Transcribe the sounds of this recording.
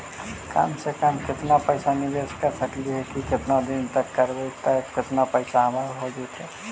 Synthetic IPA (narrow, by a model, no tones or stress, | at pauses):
ka̰msekamkɪt̪napəɪsanɪd̪eːskəɾsəkliɦɛkikɪt̪nad̪ɪnt̪əkːəɾbet̪əkɪt̪napəɪsaɐmaɾɦoɡet̪ʰɛː